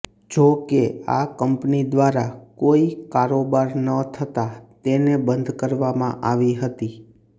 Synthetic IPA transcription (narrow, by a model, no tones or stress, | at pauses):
d͡ʒokea̰kəmpnid̪ʋaɾakoikaɾobaɾnət̪ʰət̪at̪enebənd̪ʱkəɾʋamã̰ʔaʋiɦət̪i